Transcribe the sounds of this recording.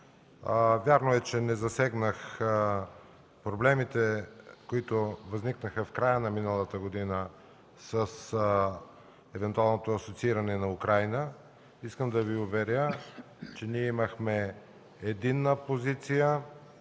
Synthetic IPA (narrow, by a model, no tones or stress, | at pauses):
vʲjaɾnoɛt͡ʃɛnɛzɐsɛɡnəx | pɾoblɛmit̪ɛkoit̪ovɐzniknəxɐfkɾajənɐminəlˠət̪əɡod̪inə | səs | ɛvɛnt̪ualˠnot̪oɐsot̪siiɾɐnɛnɐukɾajnə | iskəmd̪ɐviʊvɛɾʲə | t͡ʃɛniɛimɐxmɛ | ɛd̪inːəpozit̪sijə